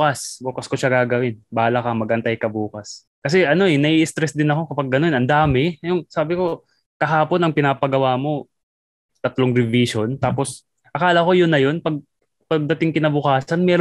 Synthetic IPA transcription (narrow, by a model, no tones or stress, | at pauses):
kɐsbuːkɐsko̞ʃaɡaːɡɐwɪnbaːlɐkɐmɐɡʔɐnt̪ajkɐbuːkɐs | kɐs̬ɛʔɐno̞ʔɛnɐʔiːʔɪst̪ɾɛsd̪ɪnɐko̞kɐpɐɡ̚ːɐno̞nʔɐnd̪aːmɛjʊŋsaːbɪko̞ | kɐɦaːpo̞nɐŋpɪnaːpɐɡɐwaːmo̞ | t̪ɐt̪lo̞ŋɾɪviʃo̞nt̪aːpo̞s | ʔɐkaːlɐko̞jʊnːɐjo̞npɐɡ̚ | pɐɡ̚d̪ɐt̪ɪŋkɪnɐbʊkaːsɐnmɛːɾ